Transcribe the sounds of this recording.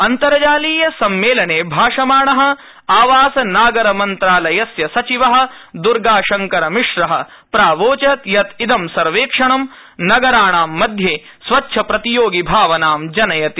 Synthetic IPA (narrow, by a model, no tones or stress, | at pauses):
ɐnt̪ɐɾɐd͡ʒaːliːjɐsɐmːeːlɐɳeːbʱaːʂɐmaːɳɐɦɐ̆ | aːʋaːsɐnaːɡɐɾɐmɐnt̪ɾaːlɐjɐsjɐsɐt͡ʃiʋɐɦɐ̆ | d̪uɾɡaːʂɐŋkɐɾɐmiʂɾɐɦɐ̰̆ | pɾaːʋoːt͡ʃɐt̪jɐt̪id̪ɐmsɐɾʋeːkʂɐɳɐm | nɐɡɐɾaːɳaːmːɐd̪ʱjeː | sʋɐtːʃʰɐpɾɐt̪ijoːɡibʱaːʋɐnaːmd͡ʒɐnɐjɐt̪i